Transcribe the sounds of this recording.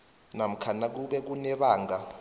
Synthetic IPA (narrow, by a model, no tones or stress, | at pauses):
nam̩kʰanak̬uɓɛk̬unɛɓaːŋɡa